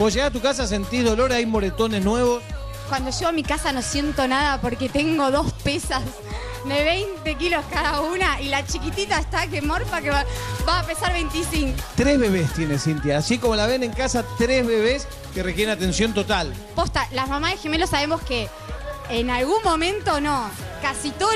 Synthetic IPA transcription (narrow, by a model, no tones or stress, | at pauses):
b̥oʒeɣat̪ukas̬as̬e̞nt̪iðo̞lo̞ɾajmo̞ɾet̪o̞neznwe̞βo̞s | kwand̪oʃeɣoamikasano̞sje̞nt̪o̞naðapo̞ɾket̪eŋɡo̞ðo̞spesas | ðeβejnt̪e̞kilo̞skaðaunaʔilat͡ʃikit̪it̪aest̪akemoɾpakeβabaːpesaɾβejnt̪isiŋkot̪ɾezβe̞βest̪je̞nesint̪jasikomo̞laβe̞ne̞ŋkasat̪ɾezβeβes | kerekjeɾenat̪e̞nsjo̞nt̪ot̪al | post̪alamamaðexeme̞losaβe̞moskeː | nalɣunmõ̞mẽ̞nt̪o̞no̞kasit̪o